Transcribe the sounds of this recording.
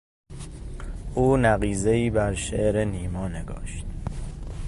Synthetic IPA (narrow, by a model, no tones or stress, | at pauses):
ʔuːnæɣiːzeiːbæɾʃeʔɾeniːmɒːneɡɒ̰ːʃt̪